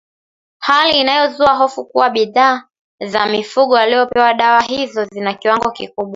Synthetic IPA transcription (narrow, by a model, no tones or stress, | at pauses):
haliːnajɔzuaɦɔfukuwaɓiðaː | zamifuɠɔalijɔpɛwaɗawaɦizɔzinakiwaŋɡɔkikuɓwa